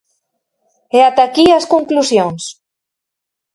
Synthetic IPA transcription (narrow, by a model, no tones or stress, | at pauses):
ɛat̪akiaskoŋklusjoŋs